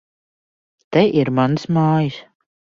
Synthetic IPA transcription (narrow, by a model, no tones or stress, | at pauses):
t̪ɛʔiɾmansmaːjis